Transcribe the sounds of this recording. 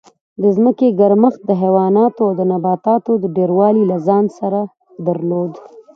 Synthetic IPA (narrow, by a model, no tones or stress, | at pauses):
d̪əzməkeɡaɾməxt̪̚d̪əɦewɑnɑt̪oawd̪ənabɑt̪ɑt̪od̪əɖeɾwɑlilazɑnsaɾa | d̪aɾlod̪